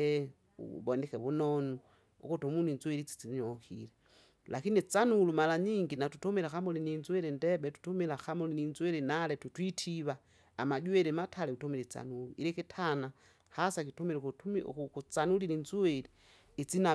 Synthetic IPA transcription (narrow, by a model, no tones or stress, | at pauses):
ḛ | βonixeβunonu | o̰kutomuninzwelit͡si̥t͡siɲokḭle | lakinit͡sanulumalaɲiŋɡinatutomilexamulininzwelendeɓetu̥tomilaxamulininzwelinaletutwitʰiβaː | maɟwelematʰaleutomilet͡sa̰nuluḭɾikitʰana | hasakitumil | kut͡sanulilinzweliː | t͡sina